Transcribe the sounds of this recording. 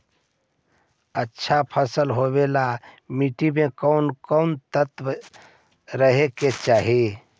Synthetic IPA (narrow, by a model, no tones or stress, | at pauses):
ətːʃʰapʰəsəlɦobelamiʈimẽkəʊnkənt̪ət̪ʋ | ɾəɦeket͡ʃaːɦi